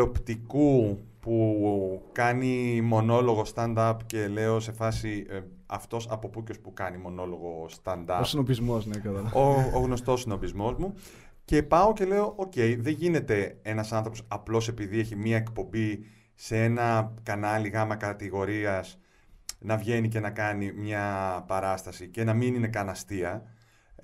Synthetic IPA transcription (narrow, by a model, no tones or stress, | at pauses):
opt̪ikupu | kɐnimo̞no̞lo̞ɣo̞st̪ɐnd̪ɐpce̞le̞o̞se̞fɐsi | ɐft̪o̞sɐpo̞puco̞spukɐnimo̞no̞lo̞ɣo̞st̪ɐnd̪ɐsinopizmoznekɐt̪ɐlɐooɣno̞st̪osino̞pizmo̞zmu | ce̞pɐo̞ce̞le̞oʔoce̞iðe̞ʝine̞t̪e̞e̞nɐsɐnθɾo̞posɐplo̞se̞piðie̞çimiɐekpo̞mbi | see̞nɐkɐnɐliɣɐmɐkɐt̪iɣo̞ɾiɐs | nɐvʝe̞nice̞nɐkɐnimɲɐpɐɾɐst̪ɐsice̞nɐminine̞kɐnɐst̪iɐ